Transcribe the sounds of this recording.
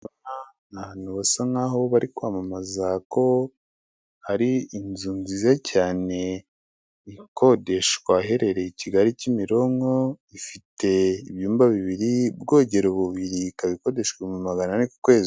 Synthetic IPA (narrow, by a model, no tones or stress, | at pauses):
ana | naβanuβasaŋaːɦo̞βaɾikwaːmamazako̞ | haɾiːnzuːnzizacʰaːne̞ | ikʰo̞de̞ʃkwaɦe̞ɾe̞ɾe̞iciɡaɾicimiɾo̞ŋoifitʰe̞iβjuːmbaβiβiɾibɡo̞ːɟe̞ɾoβuβiɾikaβiko̞de̞ʃɡwemumaɡananiku̥kwe̞ːzi